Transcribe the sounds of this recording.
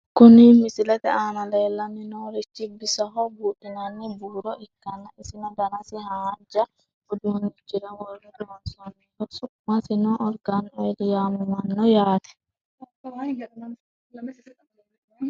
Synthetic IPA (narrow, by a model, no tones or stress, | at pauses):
kʊnimɪsɪlɛt̪ɛaːnɐleːlːɐmɪnoɾɛt͡ʃːɪbɪsɐɦɔbuːtːɪnɐnːɪbuːɾɔʔɪkːɐnːɐɪsɪnɐd̪ɐnɐsɪhaːd͡ʒɐ | ɔd̪unid͡ʒɪɾɐwɔrːid̪ɔnsɔnːiɔɾsʊmːasɪnɔʔɔɾɡanɔdɪjaːmɪmɐnːɔjaːt̪ɛ̥